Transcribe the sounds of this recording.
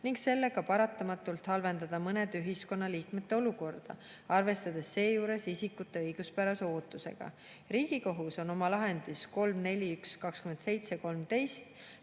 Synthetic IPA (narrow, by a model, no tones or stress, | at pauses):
niŋɡse̞lːe̞ɡ̥ɑpɑɾɑt̪ːˑɑmɑt̪ːˑult̪hɑlve̞nd̪̥ɑd̪̥ɑmɤned̪yɦisko̞nːɑliːkme̞t̪ːeo̞luko̞rd̪̥ɑ̰ | ɑrve̞st̪ɑd̪̥e̞sːe̞ːjuːɾe̞sisikːut̪ːe̞ɤjɡ̥uspæɾɑseo̞ːt̪ːˑuse̞̰ɡ̥ɑ̰ | ɾiːɡ̥iko̞ɦuso̞no̞mɑlɑɦe̞nd̪̥isko̞lmne̞lʲiykskɑkskyme̞nt̪se̞jt̪seko̞lmt̪e̞jst̪